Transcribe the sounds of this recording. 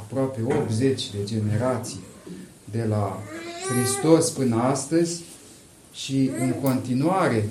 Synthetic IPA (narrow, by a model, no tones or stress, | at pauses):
apɾoape̞o̞pze̞t͡ʃʲd̪e̞d͡ʒe̞ne̞ɾat̪sij | d̪e̞laxɾist̪o̞spɨnəast̪əzʲ | ʃiɨŋko̞nt̪inuaɾe̞